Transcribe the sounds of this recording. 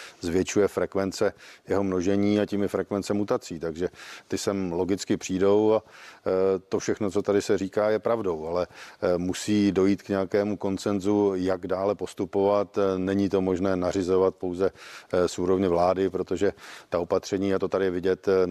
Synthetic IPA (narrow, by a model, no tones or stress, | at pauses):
zvjɛt͡ʃujɛfɾɛkvɛnt͡sɛjɛɦo̞mno̞ʒɛɲiːaciːmjɛfɾɛkvɛnt͡sɛmut̪at͡siːt̪aɡʒɛt̪ɪsɛmlo̞ɡɪt͡skɪpr̝̥iːdo̞wa | t̪o̞fʃɛxnot͡so̞t̪adɪsɛriːkaːjɛpɾavdo̞walɛmusiːdo̞jiːt̪kɲɛakɛːmuko̞nt͡sɛnzujaɡdaːlɛpo̞st̪upo̞vat̪nɛɲit̪o̞mo̞ʒnɛːnarɪzo̞vat̪̚po̞wzɛsuːɾo̞vɲɛvlaːdɪpɾo̞t̪o̞ʒɛt̪ao̞pat̪r̝̥ɛɲiːat̪o̞t̪adɪjɛvɪɟɛt̪